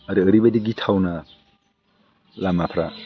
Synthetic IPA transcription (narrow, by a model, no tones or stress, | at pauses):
aɾiəɾibadiɡitʰawna | lamapʰɾa